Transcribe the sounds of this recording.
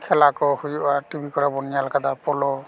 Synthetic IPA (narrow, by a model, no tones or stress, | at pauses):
kʰɛlakɔhujuʔatubikɔɾabɔnijalkad̪apɔlɔ